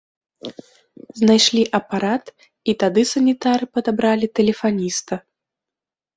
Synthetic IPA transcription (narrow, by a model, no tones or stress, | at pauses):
znajʂlʲiʔɐpaɾat̪ | it̪ad̪ɨsɐnʲit̪aɾɨpɐd̪abɾalʲit̪ɛlʲɛfanʲist̪ɐ